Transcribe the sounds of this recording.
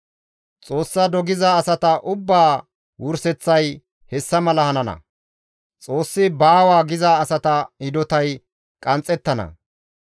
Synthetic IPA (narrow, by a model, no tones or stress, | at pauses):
t͡sʼo̞ːsːɐd̪ɔɡɪzaːsɐt̪ɐʔʊbːaː | wʊɾsɛt͡sːɐj | hɛsːɐmɐlɐhɐnɐnɐ̰ | t͡sʼo̞ːsːɪbaːwaːɡɪzaːsɐt̪ɐhɪd̪ɔt̪ɐj | kʼɐnt͡sʼːɛt̪ːɐnɐ̰